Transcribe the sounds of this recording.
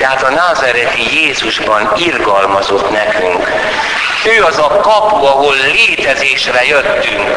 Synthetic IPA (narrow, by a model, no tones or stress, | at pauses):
ɛɦat̪ɒnaːzaɾɛt̪ijeːzuʒbɒnirɡɒlmɒzo̞t̪nɛkyŋk | føːɒzɒkɒpuɒɦo̞lːeːt̪ɛzeːʃrɛjøt̪ːyŋk